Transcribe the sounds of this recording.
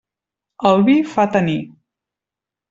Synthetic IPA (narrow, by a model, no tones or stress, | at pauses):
əlˠβifat̪əni